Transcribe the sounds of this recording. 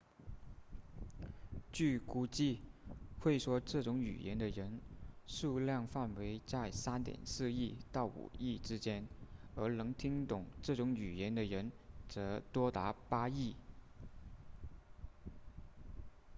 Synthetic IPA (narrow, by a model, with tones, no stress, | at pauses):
t͡ɕy˥˩ku˥t͡ɕi˥˧xwe˥˩ɪʂwɔ˥ʈ͡ʂɤ˥˩ʈ͡ʂʊ˧˥ŋy̰˨˩jɛ̰˧˥nd̪ə˧ɻə˧˥nʂu˥˧ljɑ˥˧ŋfa˥˩nwe˧˥ɪt͡sa˥˩ɪsa˥nt̪jɛ̰˨˩nsɹ̩˥˧i˥˧t̪ɑ˥˩ʊṵ˨˩i˥˩ʈ͡ʂɻ̩˥t͡ɕjɛ˥nə˞˧˥nɤ˧˥ŋt̪ʰi˥ŋt̪ʊ˨˩ŋʈ͡ʂɤ˥˩ʈ͡ʂʊ˧˥ŋy˨˩jɛ˧˥nd̪ə˨ɻə˧˥nt͡sɤ˧˥t̪wɔ˥t̪a˧˥pa˥i˥˩